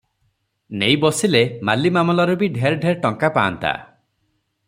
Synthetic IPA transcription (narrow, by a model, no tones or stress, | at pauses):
nejbɔsilemalimamɔlaɾubiɖʱeɾɖʱeɾʈɔŋkapa̰ːnt̪a̰